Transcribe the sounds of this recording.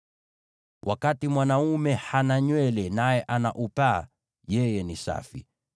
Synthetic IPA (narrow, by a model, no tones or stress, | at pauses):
wʔa̰katimwanaumɛhanaɲwɛlɛnajɛʔanaʔupa̰ː | jɛjɛnisa̰fḭ